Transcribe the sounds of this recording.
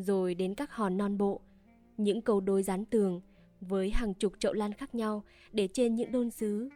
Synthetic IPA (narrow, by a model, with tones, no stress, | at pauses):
zo˨˩jɗe˨˦nkaː˦˥k̚hɔ˨˩nːɔ˧nɓo̰˧˨ | ɲɨ̰˧˥ŋkə˧wɗo˧˩jzaː˨˦nt̪ɨ˨˩əŋ | vəː˨˦jɦaː˨˩ŋt͡ɕʊ˨˩k͡p̚t͡ɕə̰˧˨wlaː˧nxaː˦˥k̚ɲa˧w | ɗe˧˩t͡ɕe˧nɲɨ̰˧˥ŋɗo˧nsɨ˨˦